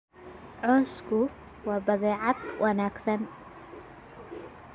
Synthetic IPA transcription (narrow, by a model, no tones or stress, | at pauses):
ʕɔskʰʊ | wɐbɐðɛːʕat̪wʔɐnaːɡsɐn